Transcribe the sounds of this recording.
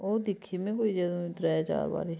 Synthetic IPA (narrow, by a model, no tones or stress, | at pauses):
oːd̪ɪkʰːiːmẽːkoːiːd͡ʒɛd̪õt̪ɾɛːd͡ʒa̰ːɾba̰ːɾeː